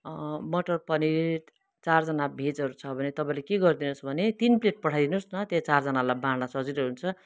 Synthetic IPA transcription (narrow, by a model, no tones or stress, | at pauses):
mʌʈʌrpʌni | t͡sard͡zʌnabʱet͡sɦʌɾut͡sʰʌbʱʌnet̪ʌpãĩlekeɡʌrd̪inusbʱʌnet̪inpleʈ̚pʌʈʰajd̪inusnʌt̪jet͡sard͡zʌnalajbanasʌd͡ziɾʌɦunt͡sʰʌ